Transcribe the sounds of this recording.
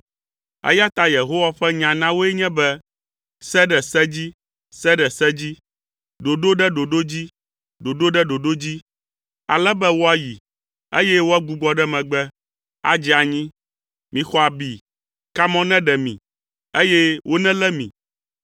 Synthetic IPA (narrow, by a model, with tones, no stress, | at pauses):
ɛ̰˦ja˦t̪a˦je˨ɦo˦wa˦ɸɛ˦ɲã˨nã˦wo˦ɛ˦ɲɛ̃˦bɛ˦ | sɛ˦ɖɛ˨sɛ˦d͡ʑi˦ | sɛ˦ɖɛ˨sɛ˦d͡ʑi˦ | ɖo˨ɖo˦ɖɛ˦ɖo˨ɖo˦d͡ʑi˦ | ɖo˨ɖo˦ɖɛ˦ɖo˨ɖo˦d͡ʑi˦ | a̰˨lɛ˦bɛ˦wo˦a˦ji˨ | ḛ˦jɛ˦wo˦a˦ɡu˨ɡ͡bɔ˦ɖɛ˦mɛ̃˨ɡ͡bɛ˦ | a̰˨d͡ʑi˦a˨ɲĩ˦ | mĩ˨xɔ˦a˨bi˨ | ka˦mɔ̃˦nɛ̃˦ɖɛ˨mḭ̃˨ | e˦jɛ˦wʔo˦nɛ̃˦lɛ˦mḭ̃˨